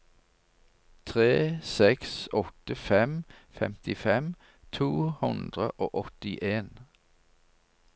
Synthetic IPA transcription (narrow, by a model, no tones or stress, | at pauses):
t̪ʰʁeːsɛksɔt̪əfɛmfɛ̰mt̪ɪfɛm | t̪ʰuːhʉnd̪ʁə̰ʔoːʔɔt̪ɪʔeːn